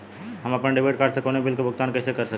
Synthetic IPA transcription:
ɦəməpənɖibʱeʈ̚kaɾsekonebilkebʱuɡt̪ankəjsekəɾsə

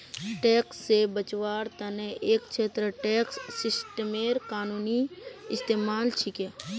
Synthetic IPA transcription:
ʈeːksːebət͡ʃwaːɾt̪ɐneʔeːk̚t͡ʃʰeːt̪ɾəʈeːksːɪsʈmeːɾkaːnuːniɪst̪eːmaːlt͡ʃʰikeː

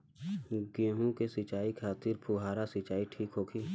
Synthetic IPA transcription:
ɡẽːɦũkesɪt͡ʃaːikʰaːt̪ɪɾpʰuɦaːɾasɪt͡ʃaːiʈʰiːkɦoːkʰiː

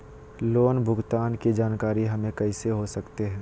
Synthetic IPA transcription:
loːnbʱʊɡt̪aːnkid͡ʒaːnkaːɾiɦɐmẽkɐɪseɦosɐkt̪eɦɛ̃ː

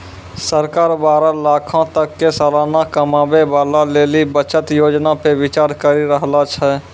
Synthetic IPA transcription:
səɾkaːɾbaːɾalaːkʰãt̪əkːesaːlaːnakəmãːbebaːlaleːlibət͡ʃət̪joːd͡ʒnapeʋɪt͡ʃaːɾkəɾiɾəɦlat͡ʃʰɛ

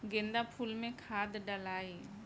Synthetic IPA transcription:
ɡẽnd̪apʰuːlmẽkʰaːd̪ɖəlaːi

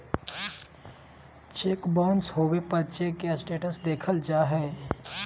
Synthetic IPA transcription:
t͡ʃeːkbɔ̃ːnsɦoːwepəɾt͡ʃekesʈeːʈəsd̪eːkʰəld͡ʒaːɦɛː

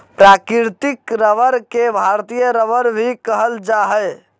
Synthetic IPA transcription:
pɾakiɾt̪ikɾəʋəɾkebʱaɾt̪ijəɾəʋəɾbʱikəɦəld͡ʒaɦə

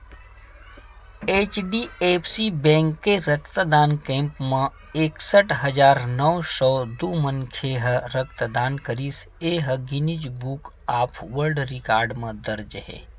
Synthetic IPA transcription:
eːt͡ʃɖieːpʰsibɛ̃ːŋkːeɾəkt̪d̪aːnkɛ̃ːmpmẽ | eːksəʈɦɐd͡ʒaːɾnɔwsɔːd̪uːmənkʰeɦəɾək̚t̪d̪aːnkəɾis | eːɦəɡɪnid͡ʒbuk | aːpʰʋəɾɖɾɪkaːɾɖmẽd̪əɾd͡ʒɦɛ̰ː

